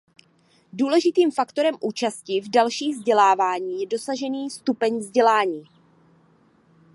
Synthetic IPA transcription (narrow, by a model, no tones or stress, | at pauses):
duːlɛʒɪt̪iːmfakt̪o̞ɾɛmʔuːt͡ʃascɪvdalʃiːɣvzɟɛlaːvaːɲiːjɛdo̞saʒɛniːst̪upɛɲvzɟɛlaːɲiː